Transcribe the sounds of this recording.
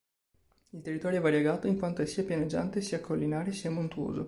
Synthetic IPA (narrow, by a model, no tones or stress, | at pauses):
ilt̪erːit̪ɔːɾjoɛvaɾjeɡaːt̪oiŋkwant̪oɛsiːapjaned͡ʒːa̰nt̪esiːakʰːolːinaːɾesiːamont̪uo̰ːzo̰